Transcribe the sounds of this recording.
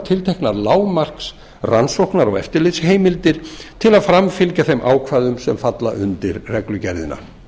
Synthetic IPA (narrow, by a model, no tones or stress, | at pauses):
t̪ʰɪlt̪ʰejhknaɾlaːwmar̥ks | ransɔwhknaɾɔ̰ɣɛft̪ɪɾlɪt̪sheːjmɪlt̪ɪɾ̥t̪ʰɪlaðfɾamfɪlcaθejmʔa̰ːwkʰvaːðʏmsɛmfat̪la̰ʔʏnt̪ɪɾrɛklʏcɛɾðɪ̰na̰